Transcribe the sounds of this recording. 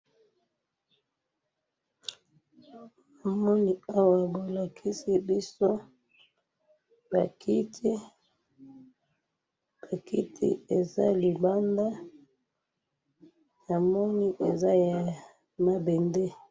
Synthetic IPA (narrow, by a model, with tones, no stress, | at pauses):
na˨mɔ˦ni˨a˦wa˨bo˨la˨kʰi˦si˦bi˦so˦ | ba˨kʰi˦tʰi˦ | b̥a˨ki˦tʰḭ˨e˨za̰˦li˨ba˦nda˦ | na˨mɔ˦ni˦ʔe˨za˦ja˨ | ma˦bɛ˨ndɛ˦